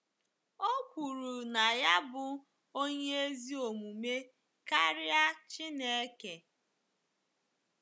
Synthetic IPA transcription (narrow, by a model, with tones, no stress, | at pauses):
o˦kʷu˨ɾu˨na˨ja˦bʊ˨ | o˦ɲe˦e˦zi˦o˨mu˨me˦ | ka˦ɾɪ˦a˦t͡ʃɪ˦ne˨e˦ke˨